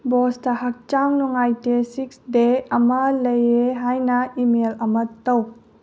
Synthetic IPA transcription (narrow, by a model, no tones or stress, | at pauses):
bɔstɐhak̚t͡ʃaŋnɔŋajtesiksdeɐmɐlɐjeɦajnɐimelɐmɐtɐw